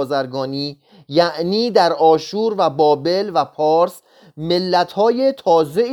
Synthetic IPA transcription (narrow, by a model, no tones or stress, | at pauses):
zæɾɡɒːniː | jæʔniːd̪æɾɒːʃuːɾvæbɒːbe̞lvæpʰɒːɾs | me̞lːæt̪ʰhɒːje̞t̪ʰɒːze̞